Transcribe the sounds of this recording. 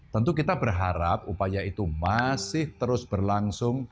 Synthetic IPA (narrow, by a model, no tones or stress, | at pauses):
t̪ənt̪ukit̪abərɦaɾap̚upajait̪umasɪht̪əɾʊsb̥ərlaŋsʊŋ